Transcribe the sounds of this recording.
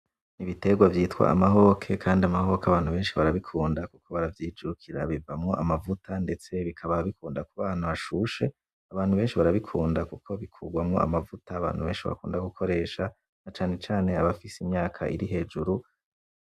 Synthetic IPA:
niβite̞ɡwavjiːtkwa̰a̰maɦo̞kʰe̞kʰaːndiamaɦo̞kaβaːn̥huβe̞ːnʃiβaɾaβikʰuːndakukʰo̞βaɾavjiːd͡ʒuɾukʰiɾa̰βivamŋo̞ʔamavutande̞t͡se̞βikʰaβaβikʰuːndakuβaːn̥huβaʃuʃe̞ | aβaːn̥huβe̞ːnʃiβaɾaβikʰuːndakukʰo̞βikʰuːɡwamŋo̞̰a̰mavutaːβa̰ːn̥huβe̞ːnʃiβa̰kuːndaɡukʰo̞ɾe̞ːʃa | nat͡ʃaːne̞t͡ʃaːne̞aβafisimɲaːkʰa̰ʔiɾiɦe̞ːd͡ʒuɾu

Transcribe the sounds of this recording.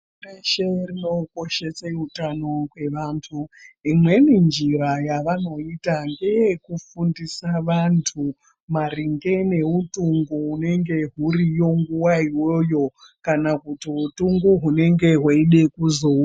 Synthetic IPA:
eʃerino̞ko̞ʃe̞seutano̞kwe̞ʋaːntʰuimwe̞nind͡ʒiɾajaʋano̞itaŋɡejekufundisaʋantʰu | mariŋɡe̞ne̞utuŋɡuːne̞ŋɡe̞ɦuɾijo̞ŋɡuwaiwo̞jo̞ | kanakutiutuŋɡuɦune̞ŋɡe̞ɦwaiɗe̞kuzo

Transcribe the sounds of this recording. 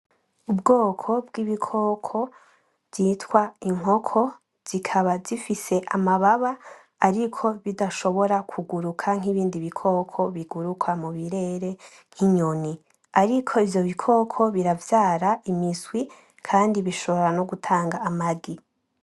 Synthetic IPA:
ubɡo̞ːkʰo̞bɡiβikʰo̞ːkʰo̞ | vzitwaiŋ̥o̞kʰo̞ | z̥ikʰaβazifise̞ʔamaβaβaː | ɾikʰo̞βidaʃo̞βo̞ɾakʰuɡuɾukʰaŋ̥iβiːndiβikʰo̞ːkʰo̞βiɡuɾukʰwamuβiɾe̞ɾe̞ | ŋ̥hiɲoni | aɾikʰo̞ivjo̞βikʰo̞kʰo̞βiɾavjaːɾaʔimiswi | kʰaːndiβiʃo̞βoɾano̞ɡutʰaːŋɡaːmaɡi

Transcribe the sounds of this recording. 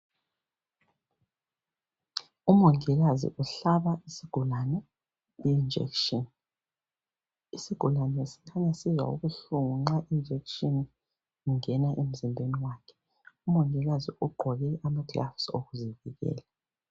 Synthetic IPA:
umuŋɛɣazḭʔuɬaβaisiɡ̥ʱulanɛ | iind͡ʒɛ̰kʃɔn | isiɡ̥ʱulanɛsi̥ŋʰaɲasizwa̰ṵɣuɬuŋuŋ͡ǁaʔind͡ʒʱɛkʃɔn | uŋɛnaʔem̩zimbʱeniwaːkʰɛ̥ | umuŋɛɣaziʔuɡ͡ǃʱɔɣɛʔamaɡ̥la̰fso̰ɣuziviɣɛ̰ːla

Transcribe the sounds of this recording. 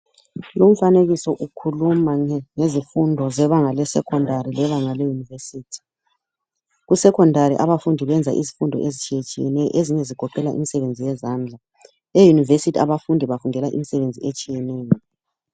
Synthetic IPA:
lom̩faneɣisɔʔukʰulumaŋezifundʱɔzɛβaŋalɛsɛ̰kʰɔndʱaɾilɛβaŋalɛjunivesiːtʰi̥ | ɣusɛkʰɔndʱaɾiʔaβafundʱiβɛnd͡zʱaʔḭzifundʱɔ̰ʔezit͡ʃʼijet͡ʃʼijɛnɛjɔ̰ʔeziɲɛziɡ̥ʱɔǃɛlaʔḭmisɛβend͡zʱijɛzaːnd͡ɮʱa | ejunivesitʰiaβafundʱiβavuŋɛlaʔḭmisɛβend͡zʱiet͡ʃʼijɛnɛːjɔ

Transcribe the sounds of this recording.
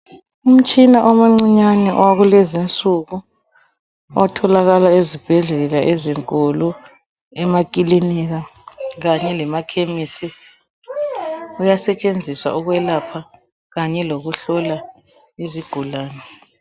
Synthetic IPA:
um̩t͡ʃʼinaʔɔmaŋ͡ǀiɲanɛʔwaɣulɛzint͡sʼuɣu | ɔtʰɔlaɣalaezib̥ʱɛɮɛlaʔeziŋkʼɔlɔ | ɛmakʼiliniɣaɣaɲɛlɛmakʰemisi | ujasɛt͡ʃʼend͡zʱiswa̰ʔuɣwɛlapʰa | ɣaɲɛloɣuɬɔla | iziɡ̥ʱulaːnɛ

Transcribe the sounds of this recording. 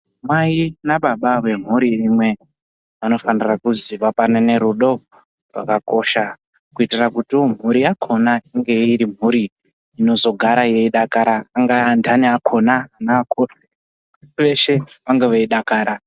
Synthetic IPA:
mwainaɓaɓawe̞m̤uɾiimwe̞ | ʋano̞fanirakuziʋapanene̞ɾuɗo̞ | rwa̰kako̞ːʃa | kuitirakutiom̤uɾijakʰo̞naiŋɡe̞iɾim̤uɾiː | no̞zo̞ɡʱaɾaje̞iɗakaɾaːŋɡandaniakʰo̞naːnaːkʰo | ʋe̞ʃe̞ʋaŋɡeʋeiɗakaːɾa

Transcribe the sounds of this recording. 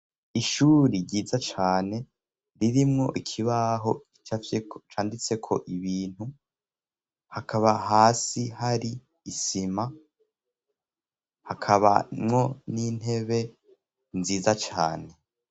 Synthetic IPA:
iʃuːɾiɾɟiːzat͡ʃaːne̞ | ɾiɾimŋo̞ʔikʰiβaɦo̞ | t͡ʃat͡ʃaːndit͡se̞kʰo̞̰ʔiβiːn̥hu | hakʰaβahaːsihaɾiː | sima | hakʰaβa̰mŋo̞niːn̥he̞βe̞ | nziːzat͡ʃa̰ːne̞

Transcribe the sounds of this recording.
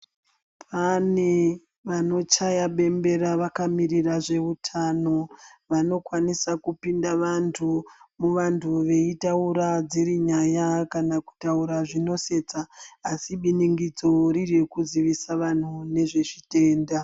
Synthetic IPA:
pʰane̞ | ʋano̞t͡ʃajaɓe̞mbe̞ɾaʋakamiriraʐe̞utʰano̞ʋano̞kwanisakupindaʋantʰumuʋantʰuʋe̞itauɾad͡ziɾiɲajakanaku̥tauɾaʐino̞se̞t͡saːsiɓiniŋɡid͡zo̞ɾirjekuziʋisaʋan̤une̞ʐe̞ʐite̞ːnda

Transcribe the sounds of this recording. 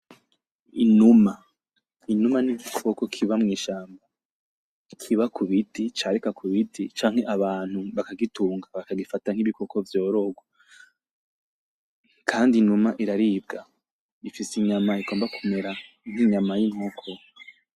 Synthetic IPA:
inuma | inumaniɡikʰo̞ko̞kʰiβamŋiːʃaːmba | kʰiβakʰuβitit͡ʃaɾikakʰuβitʰit͡ʃaːŋ̥e̞ʔaβaːn̥huβakaɡituːŋɡaβakaɡifataŋ̥iβiko̞ko̞vjo̞ːɾoɡwa | kʰaːndinumaʔiɾaɾiːb̚ɡa | ifisiɲamaiɡo̞ːmbakume̞ɾa | ŋ̥iɲamajinhokʰo

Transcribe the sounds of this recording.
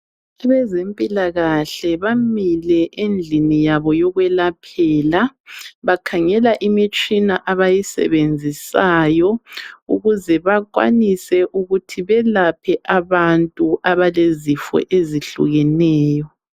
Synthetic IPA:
aβɛzempʼilaɣaɬɛβamilɛʔend͡ɮʱinijaβɔjɔɣwɛlapʰɛːlaβakʰaŋɛlaʔimit͡ʃʼinaʔaβajisɛ̰βend͡zʱisaːjɔuɣuzɛβakwa̰nisɛʔuɣutʰiβɛlapʰɛʔaβantʼuʔaβalezifɔ̰ʔeziɬṵɣɛnɛːjɔ

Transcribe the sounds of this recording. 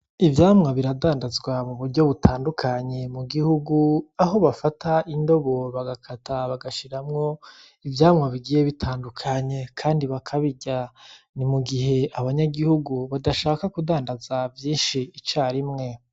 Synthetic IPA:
ivjaːmŋaβiɾadaːndazɡwamuβuɾɟo̞βutʰaːndukʰaɲe̞muɡihuɡuaɦo̞βafataʔindo̞βo̞βaɡakʰataβaɡaʃiɾamŋo̞ | ivjaːmŋaβiɡiːje̞βitʰaːndukʰaɲe̞kʰaːndiβakʰaβiɟa | nimuɡiɦe̞aβaɲaɡihuɡuβadaʃaːkakudaːndazavjiːnʃiit͡ʃaːɾimŋe̞

